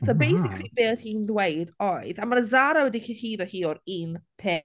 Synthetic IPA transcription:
sobejsɪkʰlˠibeːθhinðwejdɔɨðamanəzaɾawɛdikʰihiːðɔhiːɔɾinpʰeː

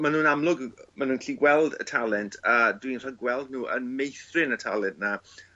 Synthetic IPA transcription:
manuːnamlˠʊɡmanuːnkʰliːɡwɛlˠdə̰tʰalˠɛntʰəːdwinr̥aɡwɛlˠd̚nuːʔə̰nmejθrɪnətʰalˠɛntna

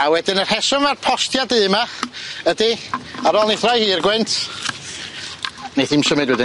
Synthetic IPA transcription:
awɛdɪnərhɛsɔnvarpʰɔstjadɨːmaədiaɾɔlˠnejθrajhiːrɡwɛntʰ | neθimsəmɨdwɛdɪ

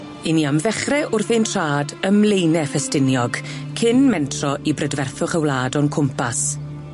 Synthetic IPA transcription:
ɪnjamðɛχrɛʔʊrθentʰr̥aːdəmlejnɛfɛstɪnjɔɡkʰɪnmɛntʰrɔʔibrədvɛrθʊχəwlaːdɔnkʰʊmpas

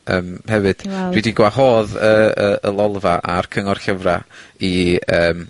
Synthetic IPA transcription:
əːmhɛvɨd̥r̥idiɡwahoːðəəəlˠɔlˠvaʔarkʰəŋɔrɬəvra̰iəːm

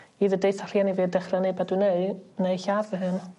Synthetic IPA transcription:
iːðədejθʰar̥janiviːdɛχrənebadwɨneɨneɨɬavəɦɨn

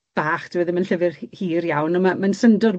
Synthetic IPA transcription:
b̥aːχd̥ɪwəðəmənɬəvɪrhiːrjawnəmamənsəndɔr

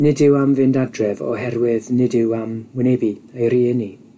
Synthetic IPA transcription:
nɪdɪwamvɪndadrɛvɔ̰ɦɛrwɪðnɪdɪwamwɪnebiejɾiəni

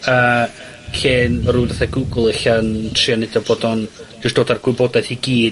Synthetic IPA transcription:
əː | ɬeːnruːdaθaɡuɡʊlˠɪɬantʰriɔnɪdɔboːdɔnd͡ʒʊstd̥oːdarɡwɪbɔdaθiɡiː

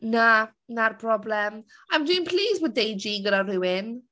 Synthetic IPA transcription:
na | narpʰrɔblɛm | ajmdwɪ̃ːnpʰl̥iːzbɔːdejd͡ʒiɡəɾarɪwɪn

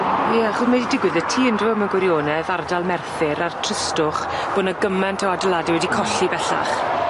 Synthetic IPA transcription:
jɛaχʊsmɛdidɪɡwɨðətʰiːəndrɨəməɡwɪɾjoːnɛðardalˠmɛrθɪɾartʰr̥ɪstʊχb̥oːnaəɡəmantʰaadəlˠadiwɛdikʰɔɬibɛɬa̰χ

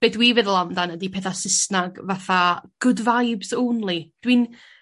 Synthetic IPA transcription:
b̥eːθwivɛðəlˠamdanədipʰɛθasɪsnaɡvaθaɡ̥ʊdvajbzownlˠid̥win

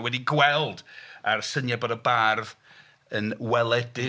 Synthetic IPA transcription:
wɛdiɡwɛlˠdarsənjabɔdəbarð | ənwɛlˠɛdɪ

